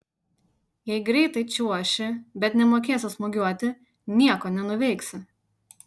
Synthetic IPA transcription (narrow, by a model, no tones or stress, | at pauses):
jɛɪɡɾʲɛɪt̪ɐɪt͡ʃʲuɔʃʲɪbʲɛt̪nʲɛmoːkʲeːsʲʊsmoɡʲuɔt̪ʲɪ | nʲiɛkoːnʲɛnʊʋʲɛɪksʲɪ